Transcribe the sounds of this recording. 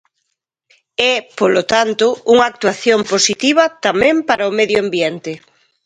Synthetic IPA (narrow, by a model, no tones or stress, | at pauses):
ɛpolot̪ant̪ʊuŋaːk̚t̪waθjomposit̪iβɐt̪amɛẽmpaɾaomeðjoambjɛnt̪ɪ